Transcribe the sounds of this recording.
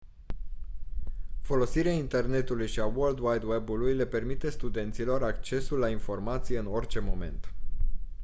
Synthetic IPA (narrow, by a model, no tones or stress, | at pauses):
fo̞lo̞siɾeaint̪e̞rne̞t̪ulujʃiawold̪wajd̪webulujle̞pe̞rmit̪e̞st̪ud̪e̞nt̪silo̞ɾakt͡ʃe̞sulːainfo̞rmat̪sije̞ɨno̞rʲt͡ʃe̞mo̞me̞̰nt̪